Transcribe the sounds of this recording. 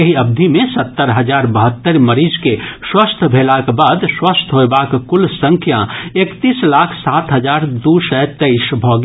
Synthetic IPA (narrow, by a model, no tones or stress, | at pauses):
ɐɦiɐb̚d̪ʱimẽsɐt̪ːəɾɦəd͡ʒaːɾbəɦət̪ːəɾməɾiːd͡ʒkeswəst̪ʰbʱeːlakebaːd̪swəst̪ʰɦoebakkʊlsə̃ŋkʰjãeːkt̪iːslaːkʰsaːt̪ɦəd͡ʒaːɾd̪usət̪eɪʃbʱɔːɡ